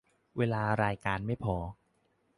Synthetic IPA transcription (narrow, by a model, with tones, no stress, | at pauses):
weː˧laː˧ɾaː˧jkaː˧nma˥˩jpʰɔː˨˧˦